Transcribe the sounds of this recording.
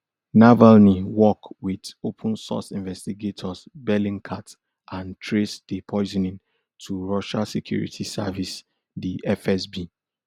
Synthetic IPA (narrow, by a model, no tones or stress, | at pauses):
navalniwɔkwidopʰə̃nsɔ̰sĩnvɛstiɡetʰɔsbɛlĩŋkʰat | ãntʰɹesdipʰɔɪzɔ̃nĩn | tʰuɹɔʃalsekʰjṵɹḭtʰisa̰vis | diʔɛfɛsbi